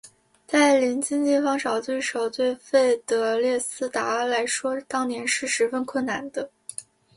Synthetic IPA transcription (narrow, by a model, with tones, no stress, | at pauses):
t͡sa˥˩ɪli˧˥nt͡ɕi˥ŋt͡ɕ̪i˥˩fɑ˥ŋʂɑ˨˩ʊt̪we˥˩ɪʂo˨˩ʊt̪we˥˧ɪfe˥˩ɪt̪ɤ˧˥ljɛ˥˩sɹ̩˥t̪a˧˥la˧˥ɪʂwɔ˥t̪ɑ˥ŋnjɛ˧˥nʂɻ̩˥˩ʂɻ̩˧˥fə˥˧nkʰwə˥˩nna˧˥nd̪ə˦